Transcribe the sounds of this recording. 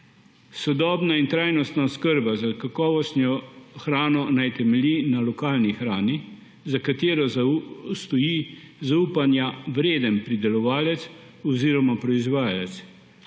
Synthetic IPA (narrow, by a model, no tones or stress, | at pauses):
sɔd̪ɔːbnaint̪ɾaːjnɔst̪naɔskəɾbazakakɔːʋɔst̪njɔxɾaːnɔnajt̪ɛmɛlʲinalɔkaːlnixɾaːni | zakat̪eːɾɔzst̪ɔjizauːpanjaʋɾeːd̪ənpɾid̪ɛlɔʋaːlɛt̪s | ɔziːɾɔmapɾɔizʋaːjalɛt̪s